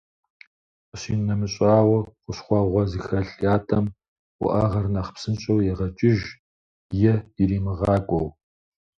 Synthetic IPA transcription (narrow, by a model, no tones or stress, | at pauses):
ɕiːnɐmɨɕʼaːwɐχʷʊɕχʷɑʁʷɔzɨxɐɬʼaːtʰɐm | wʷʊ̰ʔɐʁɐrnɐχpsɨnɕʼɐwjɛʁɐt͡ʃʼɪʒ | jɛiɾiːmɨʁɑːkʷʼɔw